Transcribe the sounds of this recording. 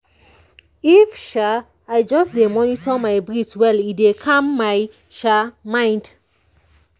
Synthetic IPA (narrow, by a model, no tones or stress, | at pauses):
ifʃa | aɪd͡ʒɔsdemɔnitʰɔmaɪbɹitwɛlidekʰãmːaj | ʃamãɪ̃nd